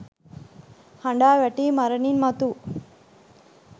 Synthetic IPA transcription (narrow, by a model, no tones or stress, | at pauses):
hɐɳɖaːʋɐʈːimɐɾɐninmɐt̪u